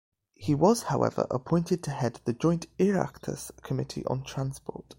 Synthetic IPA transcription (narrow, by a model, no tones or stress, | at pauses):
hiwɒz̥haʊʔɛ̰və̰ɹʔəpʰɔ̃ɪ̃ntɪd̚tʰəɦɛd̪̚ðəd͡ʒɔ̃ɪ̃ntɪɹa̰ktʰə̰skʰəmɪtʰḭʔə̰̃ntʰɹ̥ãnspɔ̰ˑt